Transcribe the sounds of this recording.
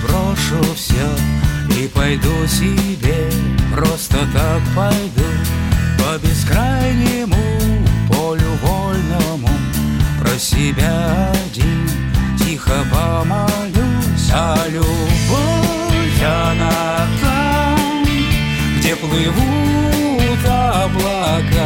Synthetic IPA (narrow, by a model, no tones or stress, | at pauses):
pɾɔʂʊfsʲaipajd̪usʲɪbʲepɾɔst̪ət̪akpajd̪upəbʲɪskɾajnʲɪmʊpɔlʲʊbɔlnəmu | pɾəsʲɪbʲadʲi | tʲixəpəmalʲusʲalʲubɔ | jana | za | m | ɡdʲeplˠɨvu | t̪a | blˠa | ka